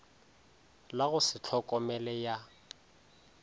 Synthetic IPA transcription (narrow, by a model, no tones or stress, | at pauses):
laɣʊsɪt͡ɬʰɔkʼɔmɛlɛja